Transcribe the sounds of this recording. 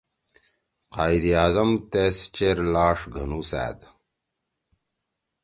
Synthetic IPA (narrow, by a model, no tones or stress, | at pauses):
qaːjd̪ijaːzɐmt̪est͡ɕeɾlaːʂɡʱɐnusæ̰ːd̪